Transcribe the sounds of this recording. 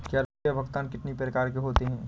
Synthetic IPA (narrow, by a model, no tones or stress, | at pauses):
kjaːɾjabʱɐɡt̪aːnkɪʈnipɾɐkaːɾkeɦoːt̪eɦɛ̃ː